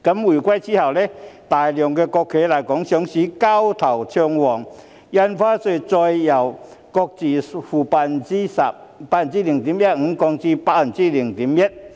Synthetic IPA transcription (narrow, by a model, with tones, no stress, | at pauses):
ka˨˦˥mwi˨˩kwa˥˦jt͡ɕi˦˥ha˨wle˦t̪a˨˩jljɔ˨˩ŋke˧kɔ˧kʰːe˨˦la˨˩jkɔ˨˦ŋɕjɔ˨˧˥ŋɕi˨˦ka˦wt̪ʰa˨˩wt͡ɕʰjɔ˧ŋwɔ˨˩ŋ | ja˧nfaː˦˥se˧˩t͡sɔ˧jja˨˩wkɔ˧k̚t͡si˨fu˨˩pa˧ni˦sa˧˨pa˧˨nt͡ɕi˦li˨˩ŋt̪i˨˦mja˦˥t̚ŋ̩˧˦kɔ˧ŋt͡ɕi˦pa˧˩˨nt͡si˦˥li˨˩ŋt̪i˨˦mjə˦˥t̚